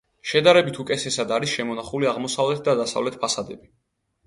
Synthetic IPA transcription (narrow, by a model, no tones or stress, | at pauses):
ʃɛd̪aɾɛbit̪ʰukʼɛtsʰɛsad̪aɾisʃɛmɔnaχuliaʁmɔsavlɛt̪̚ʰd̪ad̪asa̰vlɛt̪̚ʰpʰasad̪ɛbi